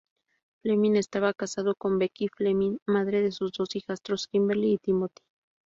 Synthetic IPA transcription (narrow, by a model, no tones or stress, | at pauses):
fleminest̪aβakasaðokombekifleminmaðɾeðesuzd̪osixast̪ɾoskimbeɾliːt̪imot̪i̥